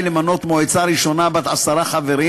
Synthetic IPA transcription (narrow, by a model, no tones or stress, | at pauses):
lemano̞t̪moet͡saɾiʃo̞nabat̪asaɾaχave̞ɾi